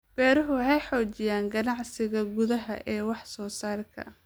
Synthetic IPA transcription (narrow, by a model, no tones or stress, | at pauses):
b̥ɛːɾɐɦʊɦɛjħɔːt͡ʃɪjaːŋɡɐnɑʕsɪɣɐɡʊðɐɦɐʔɛːwɑħsɔːsaːrkʰɐ̰